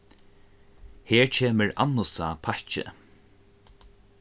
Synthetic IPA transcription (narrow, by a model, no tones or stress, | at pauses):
hɛːɹcʰɛːməɹa̰nːʊsapʰaht͡ʃɪ̰